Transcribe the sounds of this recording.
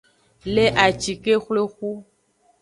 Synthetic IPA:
le˦ʔa˨t͡ʃi˨ke˦xle˦xu˦

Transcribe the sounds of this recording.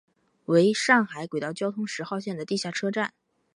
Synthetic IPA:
we˧˥ɪʂɑ˥˩ŋxa˧˥ɪkwe˨˩ɪt̪ɑ˥˩ʊt͡ɕjɑ˥ʊt̪ʰʊ˥ŋʂɻ̩˧˥xɑ˥˧ʊɕjɛ˥˩nd̪ə˩t̪i˥˧ɕja˥˩ʈ͡ʂʰɤ˥ʈ͡ʂa˥˩n

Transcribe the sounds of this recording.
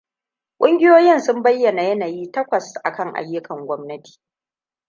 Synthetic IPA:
kʷʼʊ˦ŋɡʲɪ˦joː˦jɪ˦nsʊ˦mbɐ˦jːɐ˨na˨jɐ˦naː˨jiː˦tɐ˦kʷɐ˨sʔa̰˨kɐ˦ŋʔa̰˦jːʊ˦kɐ˨ŋɡʷɔ˦mnɐ˦ti̥ː˨

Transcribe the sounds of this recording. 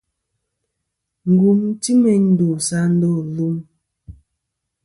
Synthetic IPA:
ŋ̩˨ɡu˨mti˦mɛ˦ɲn̩˦du˨sa˦n̩˦do˦˨lu˦m

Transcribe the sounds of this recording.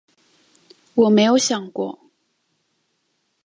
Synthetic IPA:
wɔ˨˩me˧˥ɪjo˧˥ʊɕjɑ˨˩ŋkwɔ̰˥˨

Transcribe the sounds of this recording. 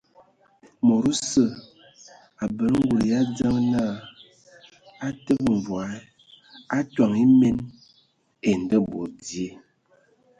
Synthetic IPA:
mo˨ɾu˦sə˦˨ | a˨bə˨ɾŋ˦ɡu˨ɾja˦d͡za˦ŋ˦na˦˨ | a˦tə˦pɱ˨vwa˨˦ | a˦twa˨ŋi˦me˦n | e˨n˨də˦bo˨ɾdi˨e˦˨

